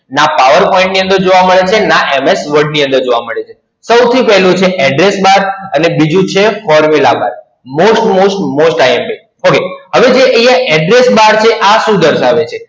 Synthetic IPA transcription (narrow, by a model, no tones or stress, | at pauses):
napaʋəɾpɔĩɳʈniə̃nd̪əɾd͡ʒoʋaməɭet͡ʃʰenaʔɛmesʋəɖniə̃nd̪əɾd͡ʒoʋaməɭet͡ʃʰe | səwt̪ʰipɛɦlũt͡ʃʰeʔɛɖɾesbaɾənebid͡ʒũt͡ʃʰefɔɾmilaba̰ɾ | mosʈmosʈmosʈajemʈi | okeɦəʋed͡ʒeʔejaʔɛɖɾesbaɾt͡ʃʰeʔaʃũd̪əɾʃaʋet͡ʃʰe